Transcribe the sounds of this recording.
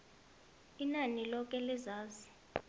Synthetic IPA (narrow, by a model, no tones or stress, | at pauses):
inanilɔk̬ɛlizaːzi